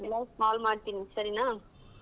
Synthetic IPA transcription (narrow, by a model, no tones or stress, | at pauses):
lːɐmaːlmaːt̪ːinːisɐɾinaː